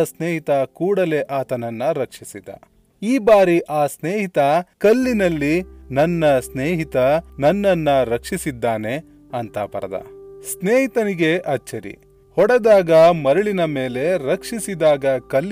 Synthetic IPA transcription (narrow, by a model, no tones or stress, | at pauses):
sneːɦit̪ɐkuːɽɐle̞ʔaːt̪ɐnɐnːɐɾɐkʂisid̪ɐ̰ | iːbaːɾiʔaːsneːɦit̪ɐkɐlːinɐlːinɐnːɐsneːɦit̪ɐnɐnːɐnːɐɾɐkʂisid̪ːaːne̞ | ɐnt̪ɐpɐ̰ɾɐd̪ɐ̰sneːɦit̪ɐniɡe̞ʔɐt͡ʃːɐɾḭ | hɔɽɛd̪aːɡɐmɐɾɐɭinɐme̞ːle̞ɾɐkʂisid̪aːɡɐkɐlː